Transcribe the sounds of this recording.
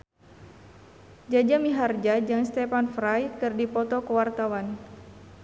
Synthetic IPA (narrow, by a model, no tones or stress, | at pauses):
d͡ʒad͡ʒamiɦard͡ʒad͡ʒaŋst̪ɛpanfɾajkɨrdipɔt̪ɔkəwart̪awan